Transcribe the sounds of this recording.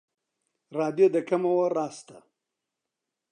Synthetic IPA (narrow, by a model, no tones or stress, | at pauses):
ɾɑːd̪jod̪əkamawoɾɑːst̪a